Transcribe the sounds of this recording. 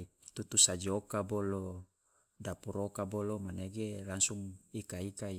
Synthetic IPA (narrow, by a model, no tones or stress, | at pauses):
i | t̪ut̪usad͡ʒokabolo | dapuɾokabolomaneɡelaŋsuŋikaikai